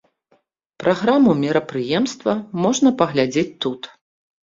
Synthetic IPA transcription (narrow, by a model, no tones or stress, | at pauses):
pɾʔaɣɾamumʲiɾɐpɾɨjɛmst̪vɐmɔʐnɐpɐɣlʲad͡zʲet͡sʲt̪ut̪